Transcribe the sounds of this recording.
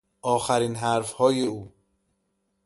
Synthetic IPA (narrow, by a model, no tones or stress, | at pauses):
ʔɒːxæɾiːnɦæɾfhɒːjeuː